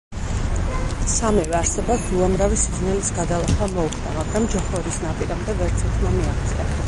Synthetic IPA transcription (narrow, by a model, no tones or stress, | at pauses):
samivɛaɾsɛbapsuamɾavisid̪znɛlisɡad̪alˠaχamɔuχd̪a̰maɡɾamd͡ʒɔχɔɾisnapʼiɾamd̪ɛvɛɾt̪sʰɛt̪ʰmamiaχt̪sʼa̰